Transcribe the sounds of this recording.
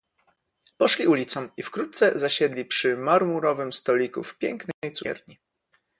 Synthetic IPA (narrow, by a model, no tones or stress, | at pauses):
pɔʂlʲiulʲit̪sɔ̃mifkɾut̪t̪sɛzaɕɛd̪lʲipʂɘmaɾmuɾɔvɘmst̪ɔlʲikṵfpʲjɛŋknɛjt̪sɛ̰ɾɲi